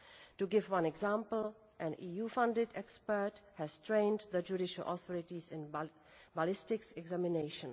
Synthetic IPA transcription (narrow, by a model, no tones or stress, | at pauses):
tuɡɪvwʌ̃nɛɡzãːmpəl̩ | ʔæ̃niːjuːfʌ̃ndɪdɛkspə˞thæz̥tɾẽɪ̃ndðəd͡ʒuɾɪʃəlʔɔ̰θʰɔɾɪʈizɪ̃n | balɪstɪksɛɡzæmɪneɪʃə̃n